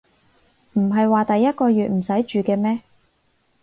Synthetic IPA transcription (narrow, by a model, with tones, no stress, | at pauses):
m̩˨˩ɦɐ˨jwaː˨t̪ɐ˨jːɐ˥t̚kɔː˧jyː˨t̚m̩˨˩sɐ˨˥jt͡ʃyː˨kɛː˧mɛː˥